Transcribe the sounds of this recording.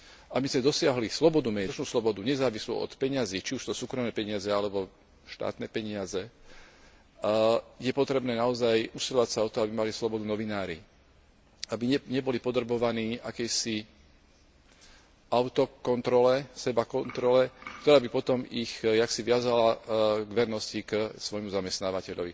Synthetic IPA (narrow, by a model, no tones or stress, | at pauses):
ʔabizmɛd̪ɔsɪaɦlislɔbɔd̪umɛːt͡ʃnuːslɔbɔd̪uɲɛzaːʋislṵɔ̰t̪pɛɲaziːt͡ʃiuʃst̪ɔsuːkɾɔmnɛːpɛɲɪazɛalɛbɔ | ʃt̪a̰ːt̪nɛːpɛɲɪazɛ | jɛpɔt̪ɾɛbnɛːnaɔzajusilɔʋacsaɔt̪ɔabimalislɔbɔd̪unɔʋinaːɾḭ | abiɛɲɛbɔlipɔd̪rbɔʋaniːʔakɛjsi | aʊt̪ɔkɔnt̪ɾɔlɛsɛbakɔnt̪ɾɔlɛk̚t̪ɔɾaːbipɔt̪ɔmixjaksiʋɪazalaɡʋɛɾnɔsciksʋɔjmuzamɛst̪naːʋacɛʎɔʋḭ